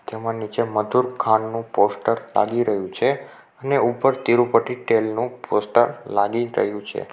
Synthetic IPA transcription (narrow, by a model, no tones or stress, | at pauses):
t̪emãnit͡ʃeməd̪ʱuɾkʰanːũposʈəɾla̰ɡiɾəɦjũt͡ʃʰe | əneupəɾt̪iɾupəʈiʈelnũpʰosʈəɾlaɡiɾə̰ɦjũt͡ʃʰḛ